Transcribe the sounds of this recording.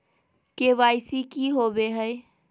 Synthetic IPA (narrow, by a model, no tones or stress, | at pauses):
keʋajsikiɦobeɦəj